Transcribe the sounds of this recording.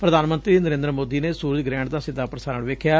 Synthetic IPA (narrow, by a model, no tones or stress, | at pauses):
pɾəd̪aːnmə̃nt̪ɾiːnəɾẽːnd̪ɾəmoːd̪iːneːsuːɾəd͡ʒɡɾɛ̃ːɳʈd̪aːsɪd̪ːaːpɾəsaːnəɳʋeːkʰːjaː